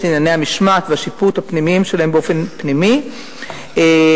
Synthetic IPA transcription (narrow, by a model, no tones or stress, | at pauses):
tinjanehamiʃmat̪veaʃiput̪hapnimiimʃelaɦembeo̞fe̞npnimi | e